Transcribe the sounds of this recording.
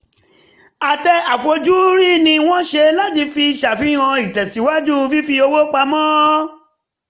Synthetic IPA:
a˨tɛ˧a˨fo˧d͡ʒu˦ɾi˦˨nĩ˧w̃ɔ̃˦ʃe˧la˦ti˧fi˧˨ʃa˨fĩ˨˦ã˧i˨tɛ˨si˨˦wa˦d͡ʒu˦˧fi˦fi˧o˧wo˦k͡pa˧mɔ̃˦

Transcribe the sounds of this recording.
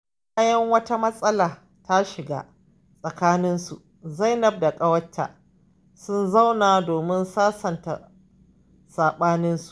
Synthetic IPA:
kaː˦jɐ˦ŋwɐ˦ta˦mɐ˦sʼɐ˦laː˨ | ta˦ʃɪ˨ɡa̰˦ | sʼɐ˨kaː˦nɪ˦nsṵ˨ʔ | za˦jnɐ˨b̚da˨kʼɐ˦wɐ˦tːa̰˨ | sʊ˦nza˦wnaː˨doː˨mɪ˦nsaː˦sɐ˨nta̰˨ | saː˨ɓaː˦nɪ˦nsu̥˨ʔ

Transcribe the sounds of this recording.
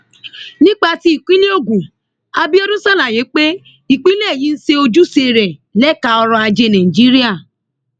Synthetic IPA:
nĩ˦k͡pa˧ti˦i˦˨kʷĩ˦le˦o˦˨ɡũ˨ | a˧bi˦o˦ɾũ˦sa˦˨lã˨je˨˦k͡pe˦ | i˨k͡pi˦lɛ˦˨jĩ˨˦n̩˦se˧˦o˧d͡ʒu˦se˧ɾɛ˨lɛ˦ka˧ɔ˧ɾɔ̃˧a˧d͡ʒe˧nã˨i˨d͡ʒi˦ɾi˦a˦˨

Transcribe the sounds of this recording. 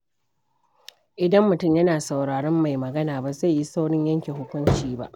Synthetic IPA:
ʔɪ˨dɐ˦mːʊ˨tʊ˦˨mjɐ˦naː˨sa˨wɽaː˨ɽɔ˦mːa˨jmɐ˨ɡɐ˦naː˨ba˨za˦˨jji˦sa˦wɽɪ˦ɲjɐ˦ŋkʲe˨ɦʊ˦kʷʊ˦nt͡ʃiː˦ba̰˦ʔ

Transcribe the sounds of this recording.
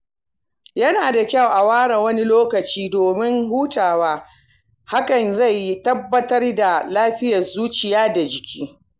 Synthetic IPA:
jɐ˦naː˨da˨kʲa˦˨wʔa˨waː˦ɽɐ˨wɐ˦ni˦loː˦kɐ˨t͡ʃiː˦doː˨mɪ˦ŋhuː˦taː˨waː˦ | ha˦kɐ˨nza˦˨jːi˦tɐ˦bːɐ˦tɐ˦rda˨laː˦ɸɪ˦jɐ˨rzuː˦t͡ʃɪ˨jaː˦da˨d͡ʒɪ˨kʲiː˦

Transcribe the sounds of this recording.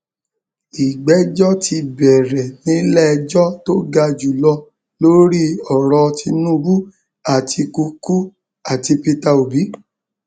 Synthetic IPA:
i˨ɡ͡bɛ˨˦d͡ʒɔ˦tʰi˧bɛ˨ɾɛ˨nĩ˨˦lɛ˦˧d͡ʒɔ˦to˦ɡa˧d͡ʒu˨lɔ˧ | lo˦ɾi˦ɔ˨ɾɔ˧ti˧nũ˦˧bu˦ | a˦˨tʰi˧ku˧ku˦ | a˨ti˧pi˧ta˧o˨bi˨˦

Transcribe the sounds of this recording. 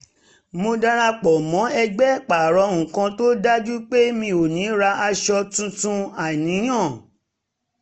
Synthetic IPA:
mo˧da˦ɾa˧k͡pɔ˨mɔ̃˨˦ɛ˧ɡ͡bɛ˦k͡pa˨ɾɔ˧˦ŋ̩̃˨kã˧to˦da˦d͡ʒu˦k͡pe˦mĩ˧o˨nĩ˨˦ɾa˧ʔa˧ʃɔ˧tũ˧tũ˧a˨nĩ˨˦j̃ã˦˨

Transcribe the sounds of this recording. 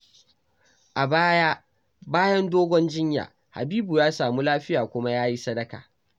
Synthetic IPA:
ʔa˨baː˦ja˦ | baː˦jɐ˦ndoː˦ɡʷɔ˦nd͡ʒɪ˦ɲja̰ː˨ | ha̰˨biː˦bu˨jaː˦saː˨mu˦laː˦ɸɪ˦jaː˨kʷʊ˦ma˦jaː˦ji˦sɐ˦dɐ˦ka̰ː˨

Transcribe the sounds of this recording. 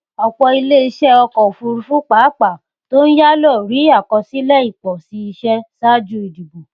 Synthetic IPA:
ɔ˧k͡pɔ˧i˧le˦i˧ʃɛ˦ɔ˧kɔ˨fu˧ɾu˧fũ˦k͡pa˨˦˨k͡pa˨ | to˦ñ̩˦ja˦lɔ˦˨ɾi˨˦a˦˨kɔ˧si˨˦lɛ˦i˦˨k͡pɔ˨si˧i˧ʃɛ˧sa˦˨d͡ʒu˧˦i˨di˨bo˨

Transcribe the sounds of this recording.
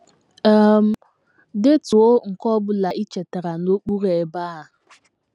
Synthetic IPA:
m̩˦ | dɪ˦tu˨o˦ŋ̩˨kɔ˦bʊ˦la˨ʔi˦t͡ʃe˨ta˨ɾa˨no˦k͡pu˦ɾe˨ba˦a˨

